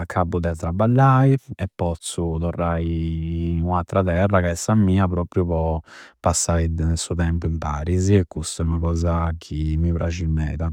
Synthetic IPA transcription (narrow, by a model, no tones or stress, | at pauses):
akʰːabud̪ɛat̪ːɾabːalːaːiɛpːɔt̪sut̪ɔrːaːinuat̪ːɾat̪ɛrːakɛsamːiːapɾɔːpɾjupɔpasːaid̪ɛnsut̪ɛmpuimpaːɾiziɛkːust̪ɛunakɔːzakʰimːipɾad͡ʒimɛːd̪a